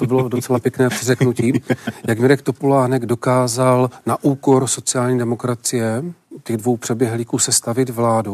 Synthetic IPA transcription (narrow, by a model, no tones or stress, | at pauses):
t̪obɪlo̞dot͡sɛlapjɛknɛːpr̥ɪrɛknuciːjaɡmɪɾɛkt̪o̞polaːnɛɡdo̞kaːzalnaʔuːko̞ɾso̞t͡sɪjaːlɲiːdɛmo̞kɾat͡sɪjɛcɛɣdvo̞wpr̥ɛbjɛɦliːkuːsɛst̪avɪt̪vlaːdu